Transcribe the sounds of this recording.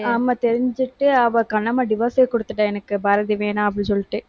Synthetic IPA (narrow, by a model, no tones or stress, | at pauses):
ɐmːɐt̪ɛɾɪɲd͡ʒɯʈːɯɐʋɐkɐɳːɐmaːɖɪʋɐːsekɔɽɯt̪ːɯʈːɐɛnɐkːɯbaːɾɐðiʋeːnaːɐp̬ːɐɽĩsɔlːɪʈːɯ